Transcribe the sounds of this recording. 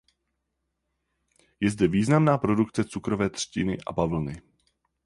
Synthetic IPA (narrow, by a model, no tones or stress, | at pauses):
jɛzdɛviːznamnaːpɾo̞dukt͡sɛt͡sukɾo̞vɛːt̪r̝̥cɪnɪʔa̰bavl̩nɪ